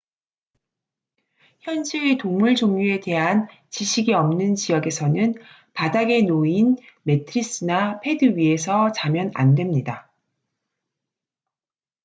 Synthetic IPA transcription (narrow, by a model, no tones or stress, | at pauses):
çjʌnd͡ʑitoŋmuɭt͡ɕoŋɲue̞de̞ɦan | t͡ɕiɕʰiɡiʌmnɯnt͡ɕijʌɡe̞sʰʌnɯn | padaɡe̞noinme̞tʰɯɾis͈ɯnapʰe̞dɯɥie̞sʰʌt͡ɕamjʌna̰ndwe̞mɲida